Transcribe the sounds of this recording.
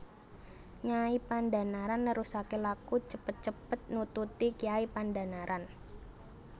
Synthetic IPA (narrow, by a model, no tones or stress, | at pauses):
ɲaipanda̤naɾanːəɾusakelakut͡ʃəpət̪̚t͡ʃəpət̪̚nut̪ut̪ikiaipanda̤naɾʔan